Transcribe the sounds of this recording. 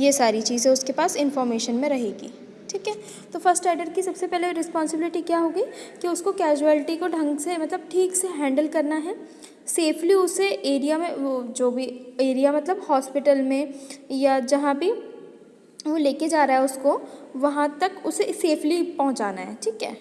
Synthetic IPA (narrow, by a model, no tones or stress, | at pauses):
jesaːɾit͡ʃiːzɦɛ̃ʊskepaːsɪ̃nfɔːɾmeːʃənmẽɾɐɦḛːɡḭː | ʈʰiːkɦɛː | t̪oːfɐɾsʈɛːɖəɾkisɐbsepɛːɦleɾɪspɔːnsɪbɪlɪʈikjaɦoːɡiːkiʊskokɛːd͡ʒuɛːlɪʈikoɖʱɐ̃ŋɡsemɐt̪ləb̚ʈʰiːkseɦɛ̃ːɳɖəlkɐɾnaɦɛː | seːfʰliʊseʔeːɾijamẽd͡ʒoːbʱieːɾijamɐt̪ləbhɔːspɪʈəlmẽjad͡ʒɐɦãbʱi | ʋoleːked͡ʒaːɾaɦɛʊskoʋɐɦãt̪ɐkʊseseːfʰlipɐɦʊ̃t͡ʃaːnaɦɛ̰ːʈʰiːkɦɛ̰ː